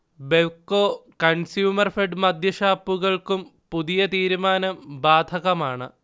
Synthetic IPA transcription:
beʋkːoːkɐnsjuːmɐrfeɖɨmɐd̪ʱjɐɕaːpːuɣɐɭkumpuðijɐt̪iːɾumaːnɐmbaːd̪ʱɐɣɐmaːɳɨ

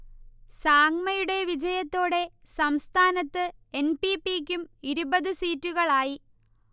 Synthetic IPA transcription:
saːŋmɐjuɽe̞ʋid͡ʑɐjɐt̪ːo̞ːɽe̞ | sɐmst̪ʰaːnɐt̪ːɨe̞npipiːkʲːumiɾubɐðɨsiːtːuɣɐɭaːji

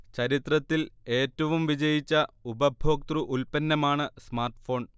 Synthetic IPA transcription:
t͡ɕɐɾit̪rɐt̪ːile̞ːtːɐʋumʋid͡ʑɐjit͡ɕːɐubɐbʱoːk̚t̪ruʔulpɐnːɐmaːɳɨsmaːrʈfo̞ːɳ

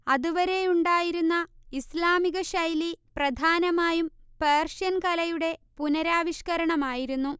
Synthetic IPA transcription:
ɐðuʋɐɾe̞juɳɖaːjiɾunːɐislaːmiɣɐɕɐjliprɐd̪ʱaːnɐmaːjumpeːrʂɐnkɐlɐjuɽe̞punɐɾaːʋiʂkɐɾɐɳɐmaːjiɾunːu

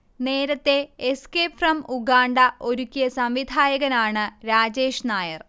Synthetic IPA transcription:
ne̞ːɾɐt̪ːe̞ːskerɐmuɡaːɳɖɐʔo̞ɾukʲːijɐsɐmʋid̪ʱaːjɐɣɐnaːɳɨɾaːd͡ʑeːʂnaːjɐr

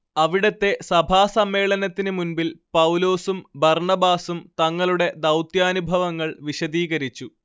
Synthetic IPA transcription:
ɐʋiɽɐt̪ːe̞sɐbʱaːsɐmːe̞ːɭɐnɐt̪ːinɨmunbilpɐwlo̞ːsumbɐrɳɐbaːsumt̪ɐŋːɐɭuɽe̞d̪ɐwt̪jaːnubʱɐʋɐŋːɐɭʋiɕɐd̪iːɣɐɾit͡ɕːu

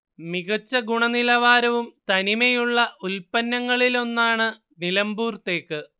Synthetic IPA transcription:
miɣɐt͡ɕːɐɡuɳɐnilɐʋaːɾɐʋumt̪ɐnimɐjuɭːɐʔulpɐnːɐŋːɐɭilo̞nːaːɳɨ | nilɐmbuːrt̪ːe̞ːkːɨ

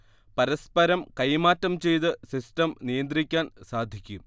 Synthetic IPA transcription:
pɐɾɐspɐɾɐmkɐjmaːtːɐmt͡ɕe̞jt̪ɨsistɐmnijɐnd̪rikʲːaːnsaːd̪ʱikʲːu

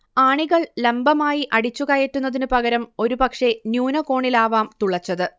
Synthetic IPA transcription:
aːɳiɣɐɭlembɐmaːjiʔɐɽit͡ɕːuɣɐjeʈːun̪ːɐðinɨpɐɣɐɾɐmo̞ɾupɐkʂe̞njuːnɐko̞ːɳilaːʋaːmt̪uɭɐt͡ɕːɐðɨ

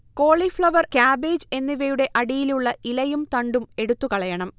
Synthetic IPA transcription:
ko̞ːɭifɭɐʋɐrkaːbeːd͡ʑe̞nːiʋejuɽe̞ʔɐɽijiluɭːɐilɐjumt̪ɐɳɖume̞ɽut̪ːukɐɭɐjɐɳɐm

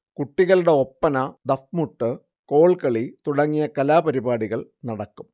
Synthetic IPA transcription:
kuʈːiɣɐluɽe̞opːɐnɐd̪ɐfmuʈːɨ | ko̞ːɭkɐɭit̪uɽɐŋːijɐkɐlaːpɐɾibaːɽiɣɐɭnɐɽɐkːum

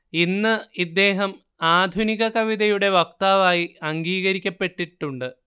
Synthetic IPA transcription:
inːɨid̪ːe̞ːɦɐm | aːd̪ʱuniɣɐkɐʋiðɐjuɽe̞ʋɐk̚t̪aːʋaːjiɐŋɡiːɣɐɾikʲːɐpːe̞ʈːiʈːuɳɖɨ

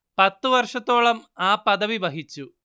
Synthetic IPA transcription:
pɐt̪ːuʋɐrʂɐt̪ːo̞ːɭɐmaːpɐðɐʋibɐɦit͡ɕːu

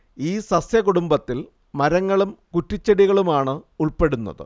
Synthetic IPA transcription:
iːsɐsjɐkuɽumbɐt̪ːil | mɐɾɐŋːɐɭumkutːit͡ɕːɐɽiɣɐɭumaːɳɨuɭpe̞ɽunːɐ̰ðɨ̰

